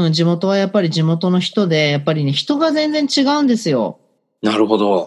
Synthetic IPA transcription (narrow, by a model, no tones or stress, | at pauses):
d͡ʑimo̞t̪o̞β̞ajapːaɾʲid͡ʑimo̞t̪o̞no̞çi̥t̪o̞d̪e̞japːaɾʲine̞çi̥t̪o̞ɡazẽ̞nd͡zẽ̞ɲt͡ɕiɡaɯ̃nd̪e̞sɨjo̞̰ | naɾɯ̟ɦo̞d̪o